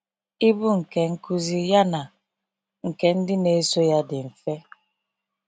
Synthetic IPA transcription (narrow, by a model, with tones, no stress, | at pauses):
i˦bu˦ŋ̩˨ke˨ŋ̩˦ku˦zi˦ja˦na˨ | ŋ̩˨ke˨n̩˦dɪ˦ne˨˦so˦ja˦dɪ˨ɱ̩˨fe˦